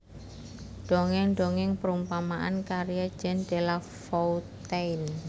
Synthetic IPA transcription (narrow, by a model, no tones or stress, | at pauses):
ɖ̥oŋɪŋɳɖoŋɪŋpəɾumpamaʔankaɾijḁd͡ʒɛndela | fɔut̪ɛin